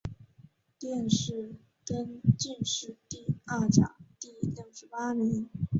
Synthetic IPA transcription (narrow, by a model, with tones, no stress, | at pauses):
t̪jɛ˥˧nʂɻ̩˥˩ | kə˥nt͡ɕi˥˧nʂɻ̩˥˧t̪i˥˧a˥˩t͡ɕjɑ̰˨˩˦ŋt̪i˥˧ljɤ˥˩ʊʂɻ̩˧˥pa˥mi˧˥ŋ